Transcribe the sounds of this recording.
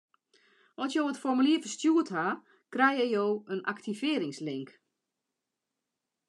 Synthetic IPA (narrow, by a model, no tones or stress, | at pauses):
ɔsjoːətfɔrmyliəfəstjuətha | krɛjɛjoːənʔa̰ktʰivɪəɾɪŋslɪŋk